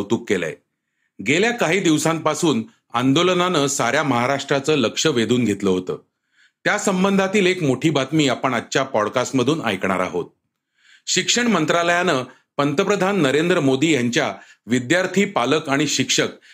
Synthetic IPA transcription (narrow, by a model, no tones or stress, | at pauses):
t̪uːkːela̰j | ɡʱeljakaɦiːd̪iʋsãmpasuːn | and̪olənanəːsaɾjaməɦaɾaʂʈɾat͡səːləkʂəʋed̪ʱuːnɡʱet̪ləɦot̪ə̰ː | t̪jasəmbənd̪ʱat̪iːlekmoʈʰiːbʱat̪miːapəɳatːɕapɔɽkasʈməd̪ʱuːna̰jkɳ̃aɾa̰ɦo̰t̪̚ | ɕikʂəɳmənt̪ɾaləjanəː | pənt̪əpɾəd̪ʱanːəɾend̪ɾəmod̪iːjaɲt͡ɕjaʋid̪jaɾt̪ʰiːpaləkaɽ̃iɕikʂək̚